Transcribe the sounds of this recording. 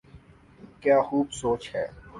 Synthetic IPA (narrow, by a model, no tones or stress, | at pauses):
kjaːxuːbsoːt͡ʃhɛː